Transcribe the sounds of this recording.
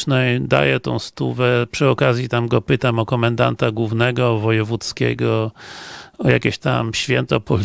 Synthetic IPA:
nɛjd̪a̰jɛt̪ɔ̃w̃st̪uvɛpʂɨɔkazʲjit̪amɡɔpɘt̪amɔkɔmɛnd̪a̰nt̪aɡwuvnɛɡɔvɔjɛvut̪skʲɛ̰ɡɔ | ɔja̰kʲeɕt̪a̰mɕfʲjɛnt̪ɔpɔlʲ

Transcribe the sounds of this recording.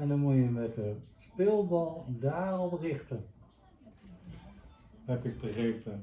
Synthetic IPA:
ɛndɑnmutjəmɛtəspɪlˠbɑlˠdaːɹɔlˠbrɪχtən | ɦɛpɪɡ̚bəχejpə

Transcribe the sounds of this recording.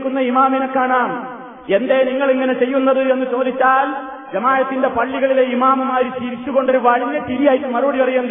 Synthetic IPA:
kːunːɐimaːminɐkːaːɳaːm | e̞nd̪e̞niŋːɐɭiŋːɐne̞t͡ɕe̞jːunːɐðɨe̞nːɨt͡ɕo̞ːd̪ʱit͡ɕːaːl | d͡ʑɐmaːjɐt̪ːinde̞pɐɭːiɣɐɭileimaːmumaːɾit͡ɕiːɾit͡ɕːuɣo̞ɳɖoɾuʋɐɻinːɐʈilijaːjitːumɐrubɐɽipɐrɐjunː

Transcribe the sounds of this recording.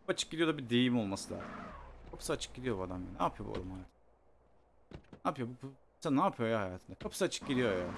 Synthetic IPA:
at͡ʃʰɯ̥k̚ɟid̪ʲijo̞d̪abid̪ejimo̞lˠmasɯlʲˠa̰ːzɯmkʰapʰɯ̥sat͡ʃʰɯ̥k̚ɟid̪ijo̞bad̪amja̰ːnina̰ːpʰɯjobṵo̰ɾumhajaːt̪ʰn | naːpʰɯjo̞buk | sanaːpʰɯjo̞jahajaːt̪ʰɯnd̪akʰapʰɯ̥sat͡ʃʰɯ̥k̚ɟid̪ijoja̰

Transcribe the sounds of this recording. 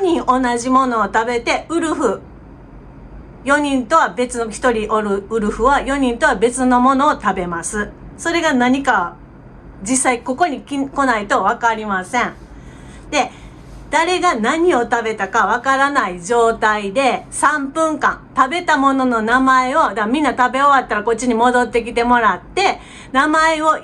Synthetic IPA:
oɲ̟ĩɰ̃ʔo̞naʑimo̞no̞ːt̪abe̞t̪e̞ɯ̟ɾɯ̟ɸɯ̟ | jo̞ɲ̟ĩnt̪o̞βabe̞t͡sɨnoçi̥t̪o̞ɾʲiʔoɾɯ̟ɯ̟ɾɯ̟ɸɯ̟βajo̞ɲ̟ĩnt̪o̞βabe̞t͡sɨno̞mo̞no̞ːt̪abe̞masɨso̞ɾe̞ɡanaɲ̟ikaa | d͡ʑisːaiko̞ko̞ɲ̟ikʲiko̞nait̪o̞β̞akaɾʲimasẽ̞ɴ | d̪e̞ | d̪̥aɾe̞ɡanaɲ̟io̞t̪abe̞t̪akaβakaɾanaid͡ʑo̞ːt̪aid̪e̞sãmpɯ̟̃ŋkã̰nt̪abe̞t̪amo̞no̞no̞namae̞o̞d̪amʲĩnːat̪abe̞oβat̪ːaɾako̞t͡ɕːiɲ̟imo̞d̪o̞t̪ːe̞k̬ʲit̪e̞mo̞ɾat̪ːe̞ | namae̞o̞

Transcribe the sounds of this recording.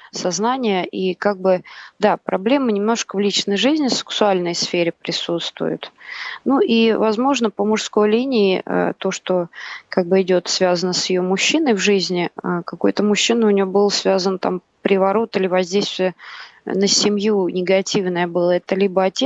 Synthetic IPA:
sɐznanʲɪjəʔikaɡ̚bɨd̪apɾɐblʲe̞mɨnʲɪmno̞ʂkəvlʲit͡ɕnəjʐɨzʲnʲɪsʲɨ̥ksʊalʲnəjsfʲeɾʲɪpɾʲɪsut̪st̪vʊ̰jʊ̰t̪nuʔivɐzmo̞ʐnəpəmʊʂsko̞jlʲinʲɪɪʔə̰t̪o̞ʂt̪o̞kaɡ̚bɨɪdʲo̞t̪svʲazənəsjɪjomʊɕːinəjvʐɨzʲnʲɪəkɐkojt̪əmʊɕːinəʊnʲɪjobɨlˠsvʲazənt̪a̰m | pɾʲɪvɐɾo̞t̪ɨlʲɪvɐzʲdʲejst̪vʲɪjənəsʲɪmʲjunʲɪɡɐtʲivnəjəbɨlˠəɛt̪əlʲibəɐtʲe

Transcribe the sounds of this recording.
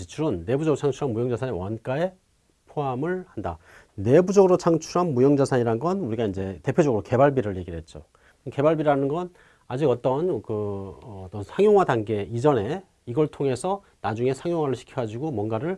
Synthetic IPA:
it͡ɕʰuɾɯnːe̞bud͡ʑʌɡɯɾot͡ɕʰaŋt͡ɕʰuɾɦanmujʌŋd͡ʑasʰanewank͈ae̞ | pʰoamɯɭhanda | ne̞bud͡ʑʌɡɯɾot͡ɕʰaŋt͡ɕʰuɾɦanmujʌŋd͡ʑasʰaɲiɾanɡʌnuɾiɡaind͡ʑe̞te̞pʰjod͡ʑʌɡɯɾoke̞baɭbiɾɯɭje̞ɡiɭɦe̞t̚t͡ɕ͈o̰ | ke̞baɭbiɾanɯnɡʌn | ad͡ʑiɡʌt͈ʌnkɯt͈ʌnsʰaŋjoŋɦwadaŋɡe̞id͡ʑʌne̞ | iɡʌɭtʰoŋe̞sʰʌ | nad͡ʑuŋe̞sʰaŋjoŋwaɾɯɭɕʰi̥kʰjʌɡad͡ʑiɡomwʌnɡaɾɯɭ

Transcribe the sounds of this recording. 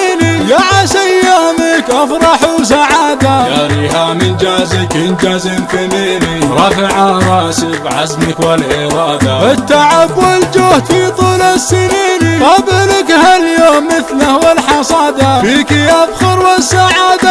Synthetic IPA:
nijaʕasajːaːmɪkʔafɾˤɑħus̬aʕaːd̪ajaɾiɦamɪnd͡ʒaːzɪkʔɪnd͡ʒazɪmfɪniːniɾˤɑfɪʕaɾˤɑːsɪbʕa̰zmɪkwalʔɪɾˤɑːdabɪt̪ːaʕabwɪld͡ʒuːht̪fit̪ˤuːlasːɪniːniqɑblakhaljoːmːɪθlahwɪlħɑsˤɑːd̪afiːkiʔabxʊɾwɪsaʕaːd̪a

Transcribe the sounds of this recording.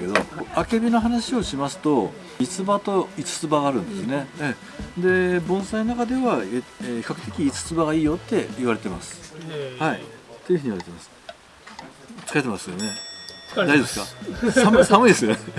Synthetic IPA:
ked̪o̰koake̞bʲino̞ɦanaɕio̞ɕimasɨ̥t̪o̞ | it͡sɨbat̪o̞it͡sɨ̥t͡sɨbaɡaːɾɯ̟̃nd̪e̞sɨne̞ | d̪e̞bõ̞ɰ̃sainonakad̪e̞βaeeːçi̥kakɯ̟̥t̪ːe̞kʲiːt͡sɨ̥t͡sɨbaɡaiːjo̞t̪ːe̞iβaɾe̞t̪e̞masɨ̥hait̪oiɯ̟ɯ̟iβaɾe̞t̪e̞masɨ̥ | t͡sɨ̥kaɾet̪̬emasɨjone̞ | d̪aisɨ̥kasamsamɯ̟id̪e̞sɨj̪e

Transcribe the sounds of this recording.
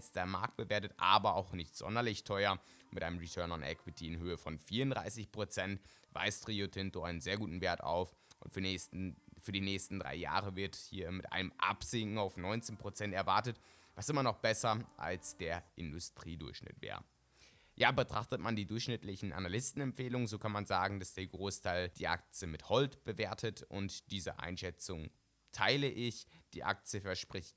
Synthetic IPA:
alsd̥eːɐmaɐk̚t̚b̥əveːɐtətʔaːbɐaʊxnɪçtz̥ɔ̰ndɐlɪçtʰɔʏɐmɪtʔaɪnəmʁitʰɜɐnanʔɛ̰kw̥ɪtʰiɪnɦøːəfɔnfiːɐʊndʁa̰ɪsɪçpʁ̥ot͡sɛntva̰ɪstʁ̥iotʰɪntoaɪnənzeːɐɡuːtn̩veːɐta̰ʊf | ʔʊ̰nt | fyːɐdiːnɛːçstn̩dʁa̰ɪja̰ːʁəvɪɐthiːɐmɪtʔa̰ɪnəmʔa̰pz̥ɪŋkŋ̩aʊfnɔʏnt͡seːnpʁ̥ot͡sɛntɛɐvaɐtət | vasʔɪmɐnɔχb̥ɛsɐʔa̰lsd̥eːɐʔɪndʊstʁ̥iːdʊɐçʃnɪ̰tv̥ḛːɐ | jaːbətʁ̥aχtətmandiːdʊɐçʃnɪtlɪçn̩ʔa̰nalɪstn̩ɛmpfeːlʊŋənzoːkʰanmanzaːɡŋ̩d̥asd̥eːɐɡʁoːstʰaɪld̥iːʔa̰k̚t͡sjəmɪthɔltb̥əveːɐtʰətʔʊ̰ntd̥iːzə̰ʔa̰ɪnʃɛt͡sʊŋ | tʰaɪləʔɪçd̥iːʔa̰k̚t͡siəfɛɐʃpʁ̥ɪçt

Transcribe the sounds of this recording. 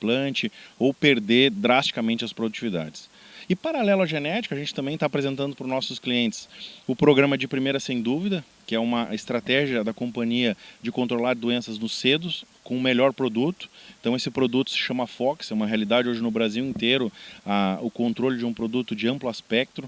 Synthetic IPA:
plɐ̃nt͡ʃɪowpeɾd̪ed̪ɾast͡ʃi̥kɐmẽnt͡ʃɪɐspɾod̪ut͡ʃivid̪a̰d͡ʒɪ̥s | ɪpaɾalɛlʊɐʒenɛt͡ʃi̥kʊɐʒẽnt͡ʃɪ̥t̪ɐ̃mbẽj̃t̪apɾezẽnt̪ɐ̃nd̪ʊpɾʊnɔsʊskliẽnt͡ʃ̪ɪ̥sʊpɾoɡɾɐ̃mɐɛd͡ʒɪpɾimejɾɐsẽj̃d̪uvid̪ɐ | kɪɛũmɐɪst̪ɾat̪ɛʒiɐd̪ɐkõmpɐ̃ɲiɐd͡ʒɪkõnt̪ɾolaɾd̪uẽnsɐznʊsːed̪ʊskõʊ̃meʎɔɾpɾod̪ut̪ʊ̥ẽnt̪ɐ̃w̃esɪpɾod̪ut̪ʊ̥sɪ̥ʃɐ̃mɐafɔksɛũmɐɦealid̪ad͡ʒɪoʒɪnʊbɾaziwẽnt̪eɾʊɐʊkõnt̪ɾolɪd͡ʒɪũpɾod̪ut̪ʊd͡ʒɪɐ̃mplʊaspɛk̚t̪ɾʊ

